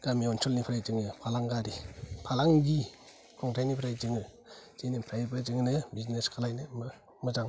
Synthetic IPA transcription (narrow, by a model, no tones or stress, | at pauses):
ɡ̥amiɔnsɔlnipʰɾajd͡ʒɯŋɯpʰalaŋɡaɾipʰalaŋɡi | kʰɔŋtʰajnipʰɾajd͡ʒɯŋɯ | zenipʰɾajbɯd͡ʒɯŋnɯbizneskʰalajnɯmɯ | mɯzaŋ